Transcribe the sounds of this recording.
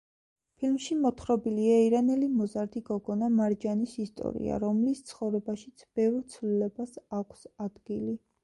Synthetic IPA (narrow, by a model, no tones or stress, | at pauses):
pʰilmʃimɔt̪ʰχɾɔbiliaiɾanɛlimɔzaɾd̪iɡɔɡɔnamaɾd͡ʒanisist̪ʼɔ̰ɾḭa̰ɾɔmlist̪sʰχɔvɾɛbaʃit̪sʰb̥ɛvɾt̪sʰvlilɛbasakʷʰsad̪̥ɡili